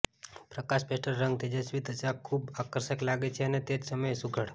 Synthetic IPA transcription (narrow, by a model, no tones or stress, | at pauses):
pɾəkaʃpesʈəɾːəŋɡt̪ʰid͡ʒesʋid̪əsakʰubakəɾʃəklaɡet͡ʃʰeənet̪ed͡ʒsəməjesukʰəɽ